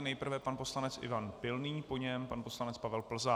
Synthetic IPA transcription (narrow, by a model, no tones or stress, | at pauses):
nɛjpr̩vɛpanpo̞slanɛt͡sʔɪ̰vanpɪlniːpo̞ɲɛmpanpo̞slanɛt͡spavɛlpl̩za